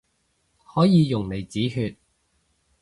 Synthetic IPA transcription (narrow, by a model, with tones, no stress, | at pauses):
hɔː˨˥jiː˨˧jʊ˨˩ŋle˨˩jt͡siː˨˥ɦyː˧t̚